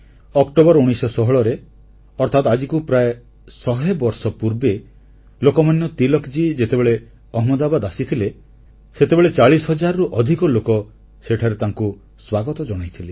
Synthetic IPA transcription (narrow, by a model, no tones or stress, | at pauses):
ɔkʈobɔɾuɽ̃ijsɔsɔɦɔɭɔɾe | ɔɾt̪ʰat̪ad͡ʒikupɾae | sɔɦebɔɾsɔpuɾbe | lokɔmanjɔt̪ilɔkd͡ʒid͡ʒet̪ebeɭe | ɔɦmɔd̪abad̪asit̪ʰile | set̪ebeɭet͡ʃaɭisɔɦɔd͡ʒaɾɔɾuʔɔd̪ʱikɔlokɔ | seʈʰaɾet̪aŋku | swaɡɔt̪ɔd͡ʒɔɽ̃ajt̪ʰile